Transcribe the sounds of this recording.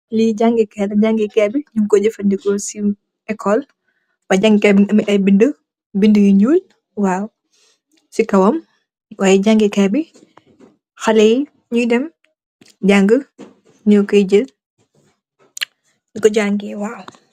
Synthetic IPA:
liɟaŋɡikɛlɐɟaŋɡikɛbiɲuŋkɔd͡ʒəfɐndikɔsi | ɛkʰːɔl | b̥ɐɟaŋɡikɛbiŋɐmiʔɐjbində | bindəjiɲuːl | waːw | sikɐwɐm | waːjɛɟaŋɡikɛbi | xɐlɛj | ɲujdɛm | ɟaŋɡə | ɲɔːkɔɟəl | dikɔɟaŋɡiwaːw

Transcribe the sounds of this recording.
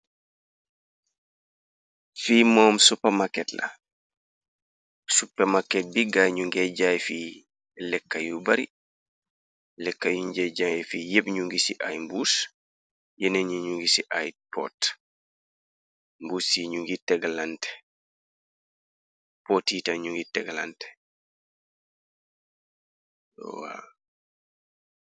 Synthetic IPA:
fiːmɔːmsupːamakːɛtla̰ | supːɛmakːɛt̚biɡaɲuŋɡɛɟajfiː | lɛkːajubaɾḭ | lɛkːajuɲd͡ʒɛd͡ʒajɛfiːjebɲuŋɡisiʔa̰jmbus | jɛnɛɲuɲuŋɡisiʔajpʰɔ̰t | mbuːsiɲuŋɡitɛɡalantɛ̥ | pɔtːiːtaɲuŋɡitɛɡlantɛ̥ | wa̰

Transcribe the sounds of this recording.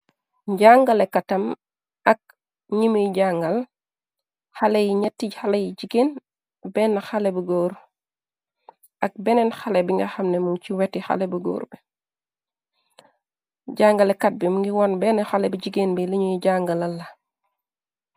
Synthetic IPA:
ɟaŋɡɐlɛkɐtɐm | ɐk̚ | ɲimujɟaŋɡɐl | xalejiɲɐtːixalejiɟiɡeːn | bɛːnːɐxɐlɛbuɡoːɾ | ʔɐk̚bɛnɛnxɐlɛbiŋɡɐxɐmnɛmuŋt͡ʃiwɛtːixa̰lɛbuɡo̰ːɾbi | ɟaːŋɡɐlɛkɐt̚bimuŋɡiwɔnbɛnɐxalɛbiɟiɡenbiliɲujiɟaŋɡɐlɐlːɐ

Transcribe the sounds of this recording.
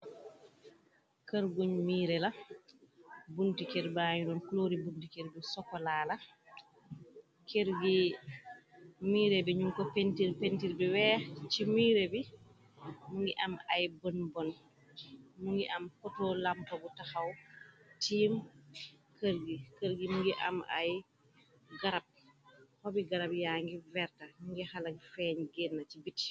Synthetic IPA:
kəɾɡuɲmiːɾɛla | buntikɛɾbaɲudɔnkloːɾibuntikɛɾbisɔkːɔlaːla | keɾɡi | miːɾebɛɲumkɔpentiɾpentiɾbiwɛːt͡ʃimiːɾebi | muŋɡiʔɐmɐjbənbɔn | muŋɡiʔɐmkɔtɔːlampɐbutɐxɐwtiːm | kəɾɡikəɾɡimuŋɡiʔɐ̰mɐ̰j | ɡɐɾɐp̚hɔbiɡɐɾɐpjaːŋɡivɛrtɐmuŋɡixalɐkfɛːɲɡɛnːɐt͡ʃibit

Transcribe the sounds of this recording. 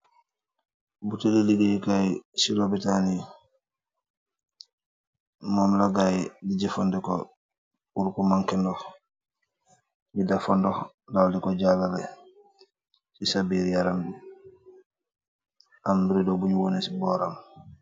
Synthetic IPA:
butuliliɡiikajsilobitani | mɔmlaɡajdiɟɛfɔndɛkɔ̰ | uɾkɔmaŋkɛndɔh | didafɔndɔx | dawdikɔɟalaɾɛ | sisabiːɾjaɾambi | ambuɾidɔbuɲuwɔnɛsibɔɾam

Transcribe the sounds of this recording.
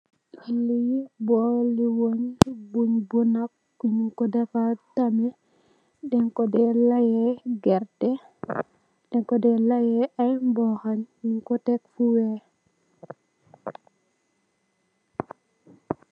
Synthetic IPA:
ʔilijbɔliwoɲbuɲbunakːuɲiŋkɔdɛfatamɛ | dɛŋkɔdɛlajɛɡɛɾtɛ | dɛŋkɔdɛlajɛʔajmbɔxaɲɲiŋkɔtɛk̚fuwɛ

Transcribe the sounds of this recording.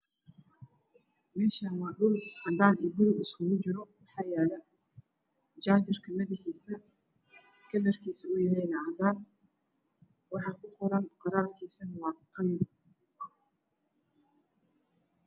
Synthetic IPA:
mɛːʃaːnwɑːɗʊlʔɐd̪aːniːbʊlɪskʰʊɣʊt͡ʃɪɾɔmħɑːjɛːlɛ | d͡ʒaːt͡ʃɪrkʰɐmɐðɪħiːsɐ | kʰɐlɐrkʰiːsɐʊjɐɦɛjnɐɐd̪aːn | wɑħɑːkʰʊqɔɾɐnqɑɾaːrkʰiːsɐnɐwɑːqɑjn

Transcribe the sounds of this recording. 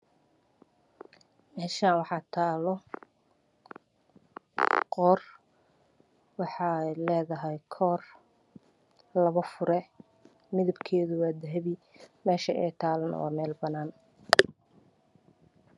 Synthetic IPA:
mɛːʃaːnwɑħɑːt̪ʰaːlɔ | qɔːr | wɑħɑlɛːðɐɦɛjkʰɔːr | lɐβɐfʊɾɛ | mɪðɐbkʰɛːðʊwaːd̪ɐɦɛβi | mɛːʃɐɛt̪ʰaːlɐn̰wa̰ːmɛːlbɐnaːn

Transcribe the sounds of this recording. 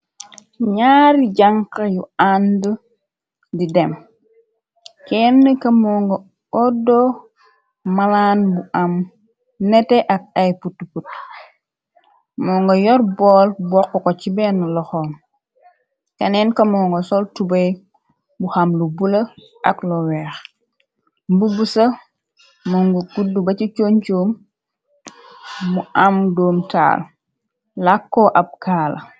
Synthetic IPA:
ɲaːɾiɟaŋkajuandə | didɛm | kɛnːəkɐmɔŋɡo | ɔdɔ | malanbuʔam | nɛtɛʔak̚ajputːuput | mɔːŋɡojɔɾbɔːlbɔkːɔkocibɛnulɔxɔːn | kɐnɛnkɐmɔːŋɡɔsɔltubɐj | buxamlubulə | ʔɐklɔwɛːx | mbubusɐ | mɔŋɡuɡudːubɐcit͡ʃont͡ʃoːm | uʔamdoːmta̰ːl | lakːɔʔɐp̚kaːlɐ

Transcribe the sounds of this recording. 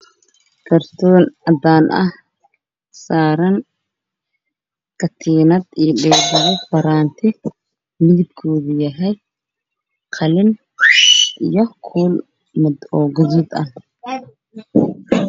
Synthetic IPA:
kʰɐrt̪ʰɔːnɐd̪aːnʔɐ̰h | saːɾɐn | kʰɐt̪ʰiːnɐd̪ijɖɛːɡɐɾɔfɐɾaːnt̪ʰɪ | mɪðɪb̚kʰɔːðɪjɐɦɛj | qʰɑlɪn | ʔijɔkʰuːl | mɪd̪ɔːɡɔðɔd̪ɐ

